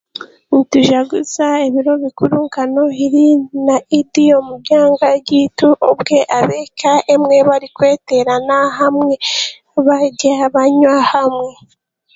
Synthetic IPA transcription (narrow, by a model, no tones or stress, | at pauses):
nituʒaɡuzaeβiɾo̞βikuɾuŋkano̞iɾinaidiomuɟaːŋɡaɟiːtuʔobɡe̞ʔaβekaemŋe̞βaɾikwe̞ːte̞ɾanaɦamŋe | βaɟaβaɲwahamŋe̞